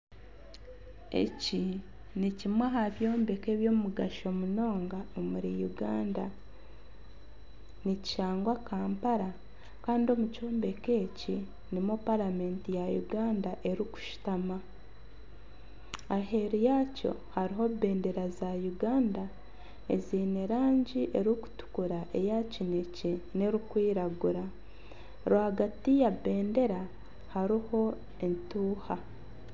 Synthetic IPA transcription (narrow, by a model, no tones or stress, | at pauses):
e̞̰ci | nicimwaɦaβjo̞ːmbe̞ke̞βjo̞ːmumuɡaʃo̞muno̞ːŋɡaomuɾijuɡaːnda | nici̥ʃaːŋɡwakaːmpaɾa | kaːndio̞muco̞ːmbe̞ke̞ːci | nimopalame̞ːntijajṵɡaːndaʔe̞ɾiku̥ʃi̥tama | aɦe̞ɾijaco̞̰haɾiɦo̞be̞ːnde̞ɾazajuɡaːnda | ḛziːneɾaːɲɟiʔe̞ɾuku̥tu̥kuɾaʔe̞jacine̞cene̞ɾikwiːɾaɡuɾa | ɾwaɡatijabe̞ːnde̞ɾa | haɾiho̞ | entuːha